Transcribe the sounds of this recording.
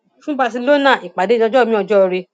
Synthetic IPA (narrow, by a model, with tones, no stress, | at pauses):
ʃũ˦ba˧s̬i˧˦lo˦nã˦˨ʔi˨k͡pa˨de˨˦ɔ˧d͡ʒɔ˦˨mĩ˦ɔ˧d͡ʒɔ˦˧ɾi˧